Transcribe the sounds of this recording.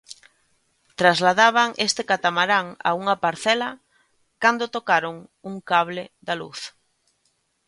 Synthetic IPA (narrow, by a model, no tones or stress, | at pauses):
t̪ɾazlaðaβ̞aŋʔest̪ɪkat̪amaɾaŋa̰uŋapaɾθɛlɐ | kand̪ot̪okaɾoŋuŋkaβleðalṵθ